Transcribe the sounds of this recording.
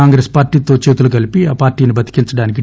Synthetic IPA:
aːŋɡɾeːspaːɾʈiːt̪o̞ːt͡ʃeːt̪uluɡɐlipiaːpaːɾʈiːnibɐt̪i̥kint͡ʃɐɽaːnik̬i

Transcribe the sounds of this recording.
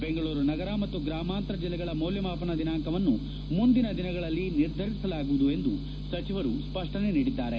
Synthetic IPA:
be̞ŋɡɐɭuːɾunɐɡɐɾamɐt̪ːuɡɾaːmaːnt̪ɾɐd͡ʒilːɛɡɐɭɐmoːljɐmaːpɐnɐd̪inaːŋkɐʋɐnːu | mund̪inɐd̪inɐɡɐɭɐlːiniɾd̪ʱɐɾisɐlaːɡuʋud̪ue̞nd̪u | sɐt͡ʃiʋɐɾuspɐʂʈɐneniːɽid̪ːaːɾe̞

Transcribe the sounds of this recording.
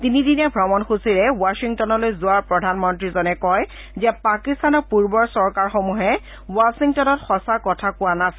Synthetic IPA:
tinidinɛbʱɹɔmɔnxusiɹɛwasiŋtɔnɔlojzʊwaɹpɹɔdʱanmɔntɹizɔnɛkɔj | zɛpakistanɔpuɹbɔɹsɔɹkaɹxomuɦɛ | wasiŋtɔnɔtxɔsakɔtʰakʊanas

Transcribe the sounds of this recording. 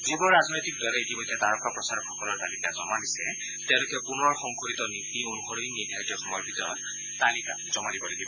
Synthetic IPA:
zibɔlɔɹaznojt̪ik̚dɔlɛetibɔjdat̪aɹɔkapɹɔsaɹɔkʰɔkɔlɔɹt̪alikazɔmadisɛ | t̪ɛ̃ʊ̃lʊkɛpunɔɔɹxɔŋkoɹit̪ɔnit̪ionuxɔɹoinidʱjatjɔxɔmɔjɔɹbʱit̪ɔɹɔt̪̚ː | alika̰z̥ɔmalibɔloɡibɔ

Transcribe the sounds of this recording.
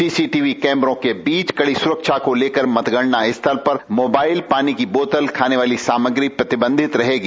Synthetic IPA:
siːsiʈiːʋikɛ̃ːmbɾõkebiːt͡ʃkɐɽisʊɾəkʃakoleːkəɾmɐt̪ɡəɽnaɪst̪ʰɐɾpɐɾmoːbaːɪlpaːnikiboːt̪əlkʰaːneʋaːlisaːməɡɾipɾɐt̪ɪbə̃nd̪ʱɪt̪ɾɐɦeːɡi

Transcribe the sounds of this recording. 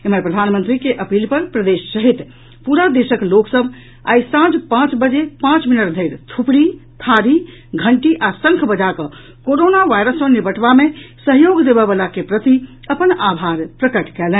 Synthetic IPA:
emepɾəd̪ʱanmənt̪ɾikeʔəpilpəɾpɾəd̪esːəɦit̪ | puɾad̪esəkloksəb | a̰jsãd͡ʒpãt͡ʃbəd͡ʒepãt͡ʃminəʈd̪ʱəɪɾt̪ʰupɽit̪ʰaɾi | ɡʱəɳʈiʔasə̃ŋkʰbəd͡ʒakə | koɾonaʋajɾəsmə̃nibəʈʰbamesəɦjoɡd̪ebɛbəlakepɾət̪i | əpənabʱaɾpɾəkəʈkɛlɛ̃

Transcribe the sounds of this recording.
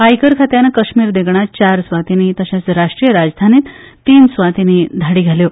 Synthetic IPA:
ajkəɾkʰat̪janəkəɕmiːɾd̪eɡɳ̃at͡ɕaɾsʋat̪init̪əɕãt͡sɾaʂʈɾijəɾad͡zd̪ʱanit̪t̪ːiːnsʋat̪inid̪ʱaɽiɡʱaljo

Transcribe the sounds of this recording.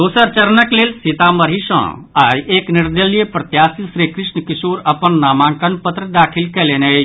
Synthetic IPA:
d̪osəɾt͡ʃəɾnəklelsit̪aməɾɦisə̰̃a̰jekniɾd̪əlijepɾət̪jasisɾikɾisnəkisuɾəpənːamãŋkənpət̪ɾəd̪akʰilkɛlenə

